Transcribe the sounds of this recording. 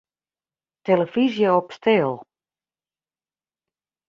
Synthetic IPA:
teləfizjəɔpstɪːlˠ

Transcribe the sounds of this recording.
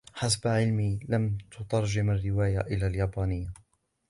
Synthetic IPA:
ħasabʕɪlmiːlamt̪ʊt̪ˤɑɾˤd͡ʒɪmarːɪwaːjaʔɪlaːljaːbaːnɪjːa

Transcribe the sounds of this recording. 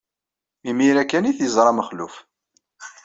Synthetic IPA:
imiɾækːæniθjəzˤɾˤɑməχluf

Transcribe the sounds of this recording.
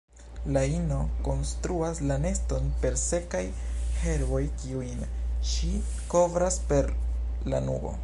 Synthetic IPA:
laino̞ko̞nstɾuaslane̞sto̞npe̞ɾse̞kajhe̞ɾbo̞jkiujnʃi | ko̞vɾaspe̞ɾ | la̰nṵɡo̞̰

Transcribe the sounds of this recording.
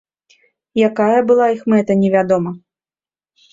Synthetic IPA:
jakajɐbɨlˠaixmɛt̪ɐnʲɛvʲad̪ɔmɐ

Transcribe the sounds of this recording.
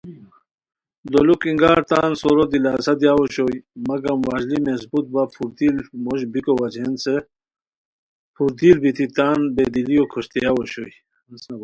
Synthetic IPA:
d̪olukiŋɡaːɾt̪aːnsoɾod̪ilaːsɐd̪ijaːwoɕojmɐɡɐmwaːʑlimesbut̪̚bapʰuɾd̪ilmoɕbikowad͡ʑense | pʰuɾd̪iːlbit̪it̪aːnbed̪ilijokʰoɕt̪ejawoɕoj | ɐsnab

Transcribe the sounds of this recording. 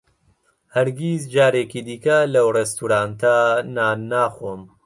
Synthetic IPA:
hɐɾɡizd͡ʒaːɾeːkid̪iːkɐlɐwrest̪uɾaːnt̪ɐnaːnaːxom

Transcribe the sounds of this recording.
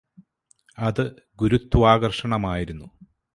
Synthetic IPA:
ɐðɨ | ɡuɾut̪ːuʋaːɣɐrʂɐɳɐmaːjiɾunːu

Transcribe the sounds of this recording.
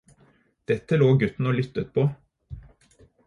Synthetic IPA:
d̪̥ɛt̪ːəloːɡʉt̪n̩oːlʏt̪ːət̪̚pʰoː

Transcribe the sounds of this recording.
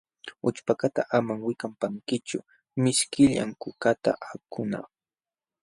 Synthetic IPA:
ʊt͡ʃpakat̪a̰ʔamaŋwɪkampaŋkɪt͡ʃʊ̰ | mɪʃkɪʎa̰ŋkʊkat̪a̰ʔakʊnɑ̰χ

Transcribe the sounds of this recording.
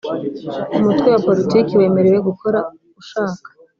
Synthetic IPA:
umutɡwewapo̞ɾitiːkiwe̞ːme̞ɾe̞we̞ɡukʰo̞ɾa | uʃaːkḁ

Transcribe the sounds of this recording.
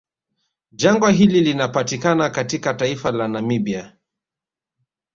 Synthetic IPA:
d͡ʒaŋɡwaɦililinapatikanakatikataifalanamibia

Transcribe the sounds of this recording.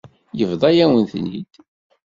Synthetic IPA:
jəvðˤɑjæwənθnːḭd̪̥

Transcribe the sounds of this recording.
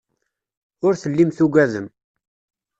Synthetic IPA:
ʊɾθəlːimθuɡæðəm

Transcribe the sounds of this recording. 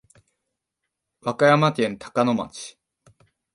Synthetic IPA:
βakajamakẽ̞nt̪ʰḁkano̞ma̰t͡ɕi̥

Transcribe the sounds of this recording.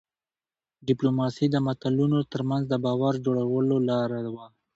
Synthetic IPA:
ɖɪplomɑsid̪əmat̪alunot̪əɾmanzd̪əbɑwaɾd͡ʒoɽawəlolɑɾawa

